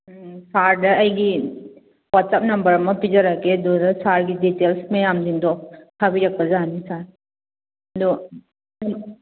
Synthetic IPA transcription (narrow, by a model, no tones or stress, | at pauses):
saɾdɐːjɡi | wɔtsap̚nɐmbɐɾmɐpid͡ʒaɾaked̪ɔɾɐsaɾɡiditelsmejamdindɔk̚kʰabiɾɐk̚bɐzanisaɾ | dɔ